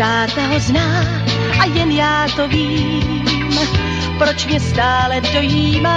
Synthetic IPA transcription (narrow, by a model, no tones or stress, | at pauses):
aːt̪aɦoznaː | ʔajɛnjaːt̪o̞viː | m | pɾo̞t͡ʃmɲɛst̪aːlɛdo̞jiːmaː